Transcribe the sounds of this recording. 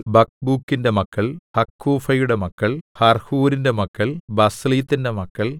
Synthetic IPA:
bɐk̚bukːinde̞mɐkːɐɭhɐkʰːuːfɐjuɽe̞mɐkːɐɭhɐrhuːɾinde̞mɐkːɐɭbɐsliːt̪ːinde̞mɐkːɐɭ

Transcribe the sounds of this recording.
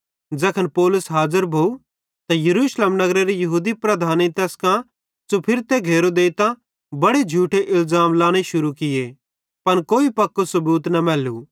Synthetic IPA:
d͡zɛːkʰənpoːlʊsɦaːzəɾbʱoːu | t̪ajɐɾuːʃleːmnɐɡɾeɾijɐɦuːd̪ipɾɐd̪ʱaːnit̪ɛːskã | sopʰɪɾt̪ɛɡʱeːɾod̪eːt̪ã | bɐɽed͡ʒʱuːʈʰeʔɪlzaːmlaːɽ̃eʃʊɾukɪje | pɐnkoːipɐkːosɐbuːt̪nɐmɛːlu

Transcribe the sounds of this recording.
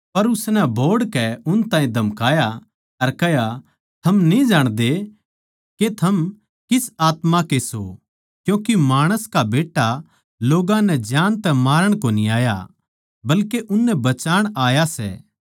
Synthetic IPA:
pɐɾʊsnɛbʱoːɽkɛʊnt̪ãːĩd̪ʱɐmkaːja | ɐɾkɛɦja | t̪ʰɐmnid͡ʒaːɽ̃d̪e | ket̪ʰɐm | kɪsaːt̪mãkeso | kjõːkimaːɽ̃əskabeːʈːa | loːɡãnɛd͡ʒjaːnt̪ɛmaːɾəɽ̃koːniaːja̰ | bɐlkeʔʊnːɛbɐt͡ʃaːɽ̃aːjasɛ̰ː

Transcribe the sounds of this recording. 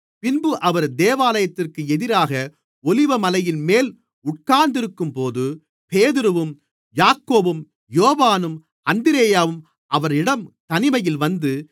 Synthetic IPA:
pɪnbɯʔɐʋɐɾd̪eːʋaːlɐjɐt̪ːɪrkɯɛðɪɾaːɣɐ | ɔlɪʋɐmɐlɐjɪnmeːl | ʊʈ̚kaːɾnd̪ɪɾɯkːɯmpoːðɯ | peːðɪɾɯʋɯm | jaːkːoːbɯm | joːʋaːnɯm | ɐnd̪ɪɾeːjaːʋɯm | ʔɐʋɐɾɪɽɐmt̪ɐnɪmɐjɪlʋɐnd̪ɯ

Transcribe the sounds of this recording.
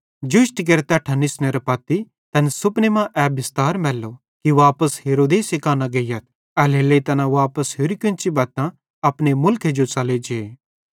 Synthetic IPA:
d͡ʒʊʃʈk̬ɐɾt̪ɛʈʰɐnːɪsneɾɐpaːt̪i | t̪ɐnsʊpnemãʔɛːbɪst̪aːɾmɛːlːo | kiʋaːpəsɦeːɾoːd̪eːsekaːnaɡɐjɐt̪̚ʰ | ɛleːlet̪ɐnãʋaːpəsɦʊɾikɪ̃nt͡ʃibaːt̪ã | ɐpnemʊlkʰed͡ʒot͡sɐled͡ʒe

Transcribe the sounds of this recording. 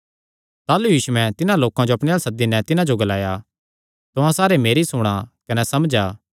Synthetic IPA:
t̪aːlujiːʃuɛ̃t̪ɪnãloːkãd͡ʒoɐpɽẽjaːlsɐd̪ːinɛt̪ɪnãd͡ʒoɡɐlaːja | t̪ʊãsaːɾemeːɾisʊɽ̃akɐnɛsɐmd͡ʒaː

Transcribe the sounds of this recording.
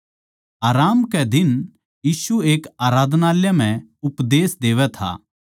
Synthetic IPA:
aːɾaːmkɛd̪ɪn | jiːsueːkaːɾaːd̪ʱnaːljam̤ɛ̃ʊpd̪eːsd̪eːʋɛt̪ʰa̰ː

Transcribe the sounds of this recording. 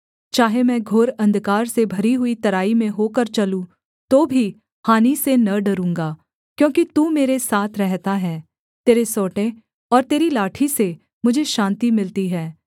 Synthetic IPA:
t͡ʃaːɦemɛ̃ːɡʱoːɾɐ̃nd̪kaːɾsebʱɐɾiɦʊit̪ɐɾaːimẽɦoːkəɾt͡ʃɐlũ | t̪oːbʱi | haːnisenɐɖɐɾũːŋɡaː | kjõːkit̪uːmeːɾesaːt̪ʰɾɛɦt̪aɦɛː | t̪eːɾesɔːʈẽ | ɔːɾt̪eːɾilaːʈʰise | mʊd͡ʒʱeʃãːnt̪imɪlt̪iɦɛː

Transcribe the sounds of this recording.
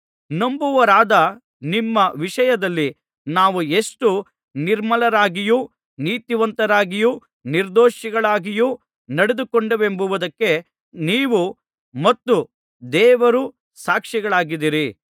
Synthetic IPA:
nɐmbuʋɐɾaːd̪ɐ | nimːɐʋiʂɐjɐd̪ɐlːi | naːʋue̞ʂʈu | niɾmɐlɐɾaːɡiju | niːt̪iʋɐnt̪ɐɾaːɡiju | niɾd̪oːʃiɡɐɭaːɡiju | nɐɽed̪ukoɳɖɐʋe̞mbuʋud̪ɐkːe̞ | niːʋu | mɐt̪ːu | d̪ɛːʋɐɾu | saːkʂiɡɐɭaːɡid̪iɾi

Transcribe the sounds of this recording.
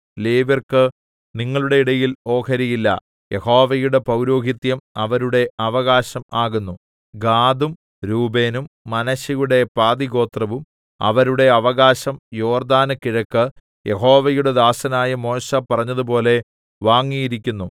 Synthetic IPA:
leːʋɐrkɨ | niŋːɐɭuɽe̞iɽɐjilo̞ːkʰɐɾɐjilːɐ̰ | je̞ho̞ːʋɐjuɽe̞pɐwɾo̞ːɡit̪jɐmɐʋɐɾuɽe̞ɐʋɐɣaːɕɐmaːɣunːu | ɡaːd̪um | ɾuːbe̞ːnumːɐnɐɕɐjuɽe̞paːd̪iɣo̞ːt̪rɐʋum | ɐ̰ʋɐɾuɽe̞ɐʋɐɣaːɕɐmjo̞ːrd̪aːnɨkːiɻɐkːɨ | jʔe̞ɦo̞ːʋɐjuɽe̞d̪aːsɐnaːjɐmo̞ːɕɐpɐrɐɲːɐðupo̞ːle̞ | ʋaːŋːijiɾik̬ʲːunːu

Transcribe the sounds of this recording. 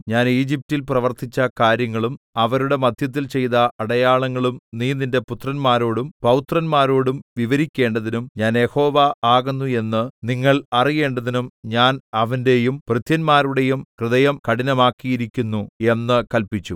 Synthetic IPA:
ɲaːniːd͡ʑip̚tilprɐʋɐrt̪it͡ɕːɐkaːɾjɐŋːɐɭum | ɐʋɐɾuɽe̞mɐd̪ʱjɐt̪̬ːilt͡ɕe̞jt̪ɐʔːɽɐjaːɭɐŋːɐɭumniːninde̞put̪rɐnmaːɾo̞ːɽumpɐwt̪rɐnmaːɾo̞ːɽumʋiʋɐɾikʲːe̞ːɳɖɐðinumɲaːnje̞ho̞ːʋɐaːɣunːue̞nːɨniŋːɐɭɐrije̞ːɳɖɐðinumɲaːnɐʋɐnde̞jumprɨt̪jɐnmaːɾuɽe̞jumkrɨðɐjɐmkɐɽinɐmaːkːijiɾikʲːunːue̞nːɨkɐlpit͡ɕːu

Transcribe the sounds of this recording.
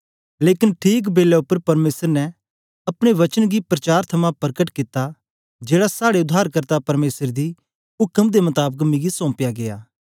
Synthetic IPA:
leːkɪnʈʰiːk̬beːlɛʊpːəɾpɐɾmeːsəɾnɛ | ɐpɽ̃eʋɐt͡ʃənɡipɾɐt͡ʃaːɾt̪ʰɐmãpɐɾkəʈkɪt̪a | d͡ʒeːɽasaːɽeʊd̪ʱːaːɾkəɾt̪apɐɾmeːsəɾd̪i | ʊkəmd̪emɐt̪aːbəkmĩɡisɔ̃ːpjaɡejaː

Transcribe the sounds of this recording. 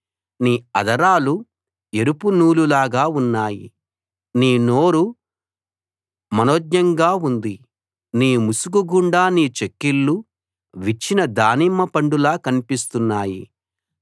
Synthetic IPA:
niːɐd̪ɐɾaːlu | e̞ɾupunuːlulaːɡaːunːaːjḭ | niːnoːɾu | mɐnoːd̪jɐŋɡaːund̪i | niːmusukuɡuɳɖaːniːt͡ʃekːilːu | ʋit͡ʃːinɐd̪aːnimːɐpɐɳɖulaːkɐnipist̪unːaːjḭ

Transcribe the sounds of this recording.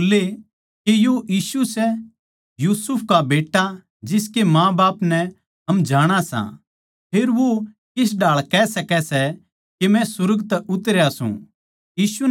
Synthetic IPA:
le | kejojiːsusɛ | juːsʊpʰkabeːʈːa | d͡ʒɪskemãːbaːpnɛ | ɦɐmd͡ʒaːɽ̃asã̰ | pʰeːɾʋo | kɪs̬ɖaːɭkɛːsɐkɛsɛ | kemɛ̃sʊɾɡt̪ɛʊt̪ɾjasṵ̃ | jiːsu

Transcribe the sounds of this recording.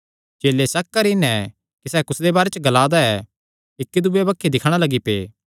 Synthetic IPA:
t͡ʃeːlːesɐk̚kɐɾɪnɛ | kisɛːkʊsd̪ebaːɾet͡ʃɡɐlaːd̪aɛ | ɪkːid̪ʊbebɐkʰːid̪ɪkʰːɽ̃alɐɡipḛː

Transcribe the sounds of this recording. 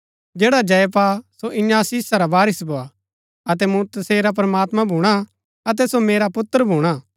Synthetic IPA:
d͡ʒeːɽad͡ʒɐjpasoʔɪ̃ɲãːsiːsaɾabaːɾɪsbʱoa | ɐt̪ɛmũt̪ɐseːɾap̬ɾɐmaːt̪mãbʱuːɽ̃a | ɐt̪̬ɛsomeːɾapʊt̪ːəɾbʱuːɽ̃a

